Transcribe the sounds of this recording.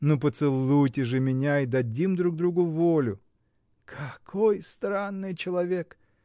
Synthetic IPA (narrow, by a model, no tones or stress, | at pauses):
nopət̪sɨlˠujtʲɪʐɨmʲɪnʲaid̪ɐdʲimd̪ɾuɡ̚d̪ɾuɡʊvolʲʊ | kʰɐkʰojst̪ɾanːɨjt͡ɕɪlˠɐvʲek